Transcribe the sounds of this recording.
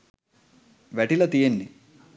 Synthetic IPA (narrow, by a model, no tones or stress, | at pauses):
ʋeʈilɐt̪ijenːi